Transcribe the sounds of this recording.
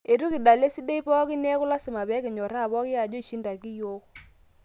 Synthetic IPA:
e˨ɾu˦kɪ˨da˨le˦si˦de˦pɔ˦kɪ˦nɛ˦kʊ˦la˦sɪ˨ma˨bɛ˨˦kɪ˨ɲɔ˨ɾa˦˨bɔ˦kɪ˦ja˨d͡ʒo˦i˨ʃi˦nda˨ki˦jo˦

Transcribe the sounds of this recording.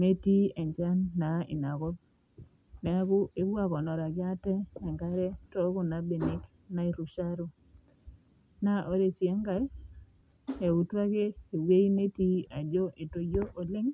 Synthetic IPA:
me˦ti˦e˨ɲd͡ʒa˦nːa˨ɪ̰˨na˨kɔ˦b̚ | nɛ˨a˦kʊ˦ʔe˦ba˦˨kɔ˨nɔ˨ɾa˨ɡɪ˦a˦tɛ˦ɛ˨ŋɡa˦ɾɛ˦tɔ˦kʊ˦na˨be˨nɪ˦k | na˦i˨ɾu˨ʃa˦ɾu˦ | na˦ʔo˦ɾe˨sjɛ˦ŋɡa˨˦ | e˨u˨twa˦keː˦˨we˦i˦ne˦ti˦a˨d͡ʒo˦ʔe˨to˨jo˦ʔo˨lɪ˦ŋ

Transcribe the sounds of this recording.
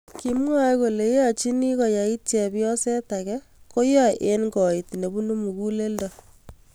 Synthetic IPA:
ki˦mwa˦ko˨le˨˦a˦t͡ʃi˦ni˦kɔ˨ja˨i˦tjɛ˨bjɔ˦sɛ˦ta˨kɛ˦ | ko˦jɔ˦ʔe˦nɡɔ˨i˨ti˨ne˨bu˦nu˦mu˨ku˦le˦ldɔ˨

